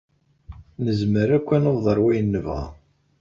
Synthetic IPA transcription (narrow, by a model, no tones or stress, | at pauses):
nəzməɾækʷːænoððˤəɾˤwæjənːəvʁæ̰